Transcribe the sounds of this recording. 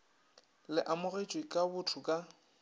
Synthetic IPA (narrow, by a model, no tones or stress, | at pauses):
lɪʔamʊret͡ʃʼwikʼabʊtʰʊkʼa